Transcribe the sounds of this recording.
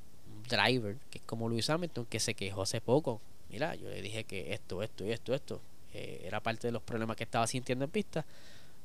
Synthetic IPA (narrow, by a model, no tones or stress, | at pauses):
d̪ɾa̰jβeɾkeehko̞molwisamelt̪õŋke̞se̞ke̞ɦo̞ase̞po̞ko | mḭɾa̰ʝo̞̰lḛðihe̞ke̞ʔest̪oest̪oie̞st̪oe̞st̪o | ḛ | ḛɾapaɾt̪e̞ðelo̞hpɾoβle̞mahke̞ht̪aβasint̪jend̪oepist̪a